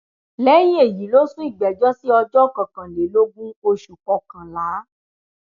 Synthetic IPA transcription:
lɛː˨˦ji˦e˦˨ji˨˦lo˦sũ˦i˦˨ɡ͡bɛ˨d͡ʒɔ˦si˦ɔ˧d͡ʒɔ˦˨kã˨kã˨le˨˦lo˦ɡũ˦o˧ʃu˨kɔ˨kã˨la˨˦

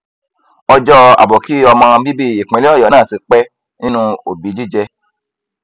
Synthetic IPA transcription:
ɔ˧d͡ʒɔ˦a̰˨bɔ˨ki˨˦ɔ˧mã˧bi˦bi˦i˨k͡pẽ˨˦li˦ɔ˦jɔ˨˦nãː˦˨si˨˧k͡pɛ˦ | nĩ˦nũ˦o˨bi˨˦d͡ʒi˦d͡ʒɛ˧

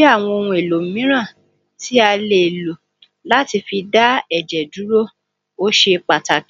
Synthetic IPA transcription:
a˦˨w̃ɔ̃˧o˧ñũ˧e˨lo˨m̩˨mĩ˦ɾ̃ã˦˨ | ti˦a˧le˨e˨lo˨ | la˦ti˧fi˧da˦ɛ˦˨d͡ʒɛ˨du˨˦ɾo˦ | o˦ʃe˧k͡pa˨ta˨k

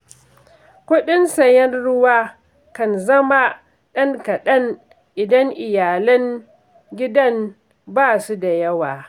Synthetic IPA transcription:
kʷʊ˦ɗɪ˦nsɐ˨jɐ˦nɽʊ˦waː˦ | kɐ˨nzɐ˦ma˦ | ɗɐ˦ŋkɐ˨ɗɐ˦n | ʔɪ˨dɐ˦ŋʔɪ˨jaː˨lɐ˦ŋ | ɡʲɪ˦dɐ˦m | baː˦su˦da˨jɐ˦waː˨

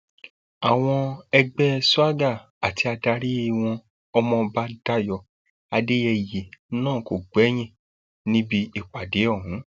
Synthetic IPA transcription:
a˨w̃ɔ̃˧ɛ˧ɡ͡bɛ˦su˦a˦ɡa˦˨ | a˨ti˧a˧da˧ɾi˦i˦˨w̃ɔ̃˧ | ɔ˧mɔ̃˧ba˦da˦jɔ˧˨ | a˧de˦jɛ˧je˨˦nãː˦˨ko˨ɡ͡bɛ˨˦j̃ĩ˦˨ | nĩ˦bi˧i˨k͡pa˨de˨˦ɔ˦˨ɦũ˨˦

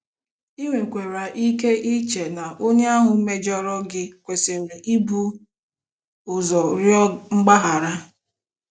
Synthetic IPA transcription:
i˦ŋʷe˨kʷe˨ɾa˨ʔi˦ke˦ʔi˦t͡ʃe˨na˨ʔo˦ɲe˦a˦ɦʊ˨˦me˦d͡ʒɔ˦ɾɔ˦ɡɪ˦kʷe˨se˨ɾe˨ʔi˦bu˦ | ʊ˨zɔ˨ɾjɔ˦ŋ͡m̩˦ɡ͡ba˦ɦa˨ɾa˦

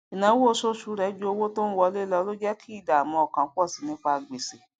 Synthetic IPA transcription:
i˨nã˨˦wo˦o˦˧so˦ʃu˧˦ɾɛ˨˦d͡ʒu˦o˧wo˦to˦n̩˦wɔ˧˦le˦lɔ˧˦lo˦d͡ʒɛ˦kʰi˦˨da˨a˨mɔ̃˧ɔ˨kã˨˦kʷɔ˦˨si˨˦nĩ˦k͡pa˧˨ɡ͡be˨se˨

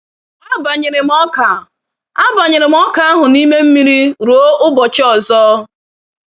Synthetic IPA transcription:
a˦ba˨ɲɪ˨ɾe˨m˦ɔ˦ka˨ | a˦ba˨ɲɪ˨ɾe˨m̩˦ɔ˦ka˨a˦ɦʊ˨ni˦me˦m̩˦mi˦ɾi˦ɾu˨o˦ʔʊ˦bɔ˨t͡ʃɔ˦˨zɔ˦

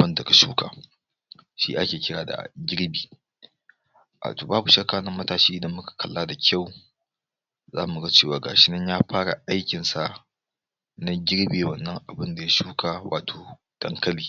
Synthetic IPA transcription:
ɐ˦nda˨ka˨ʃṵː˦ka̰ː˨ | ʃḭ˦ʔa˦kʲeː˨kʲɪ˦ɽaː˨da̰˨ɡʲɪ˦ɽbiː˨ | ʔa̰ː˨toː˨baː˦bu˨ʃɐ˦kaː˨nɐ˦mɐ˦taː˦˨ʃiː˦ʔɪ˨dɐ˦mmʊ˦kḁ˨kʰɐ˦lːaː˦da˨kʲʰa˦˨w | za̰ː˦mu˨ɡa˦t͡ʃeː˦˨waː˨ɡa̰ː˨ʃɪ˦nɐ˦ɲjaː˦ɸaː˦ɽa˨ʔa˦jkʲɪ˨nsa˨ | na˦ɡʲɪ˦ɽbeː˨wɐ˨nːɐ˦ŋʔa˨bɪ˦nda˨ja˦ʃuː˦kʰaː˨wʔaː˨tʰoː˨ | d̥ɐ˨ŋkɐ˦liː˨

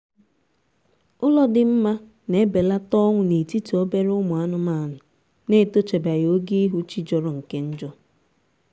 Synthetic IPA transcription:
ʊ˦lɔ˦dɪ˨m̩˦ma˦ | ne˦be˨la˦tɔ˦ŋʷʊ˨ne˨ti˦tu˨o˦be˦ɾʊ˦mʊ˨a˦nʊ˦ma˦˨nʊ˨ | ne˦˨to˦t͡ʃe˨ba˨jo˨˦ɡi˦i˦ɦu˦t͡ʃi˦d͡ʒɔ˦ɾɔ˨ŋ̩˨ke˦n̩˦d͡ʒɔ˦

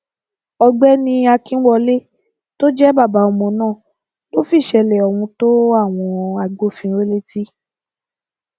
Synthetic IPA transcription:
ɔ˧ɡ͡bɛ˦nĩ˧a˧kĩ˦wɔ˧le˦ | to˦d͡ʒɛ˦ba˦˨ba˨˦ɔ˧mɔ̃˨˧˦nãː˦˨ | to˦fi˦˨ʃɛ˧lɛ˨ɔ˨wũ˧to˦a˦˨w̃ɔ̃˧a˧ɡ͡bo˦fĩ˧˦ɾe˦le˦ti˦

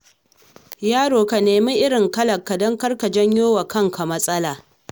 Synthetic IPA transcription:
jaː˦ɽoː˨ka˨neː˨mi˦ʔɪ˦ɽɪ˨ŋkɐ˦lɐ˨kːa˨dɔ˦ŋkɐ˦rka˨d͡ʒɐ˦ɲjoː˦wa˨kɐ˦ŋka˨mɐ˦sʼɐ˦laː˨

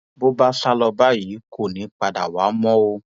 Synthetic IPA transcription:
bo˦ba˦fa˦lɔ˧ba˦ji˨˦kʰo˦˨nĩ˨˦k͡pa˧da̰˨wa˨˦mɔ̃˦o˧

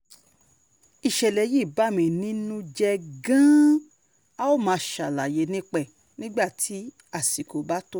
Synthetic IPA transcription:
i˨ʃɛ˨lɛ˨˦ji˦˨ba˦˨mĩ˨nĩ˦nũ˦d͡ʒɛ˧ɡã˦ | a˦o˦˨mãː˨˧˦ʃa˨la˨je˨˦nĩ˦k͡pɛ˦˨ | nĩ˦ɡ͡ba˦˨tʰi˨˦ | a˦˨si˨ko˨˦ba˨˦to˦

